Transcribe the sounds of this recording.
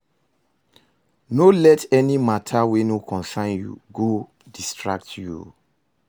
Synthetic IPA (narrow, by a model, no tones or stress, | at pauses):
nolɛtɛnimatʰawɛnokʰɔ̃nsãɪ̃njṵɡo | distɹak̚tjṵ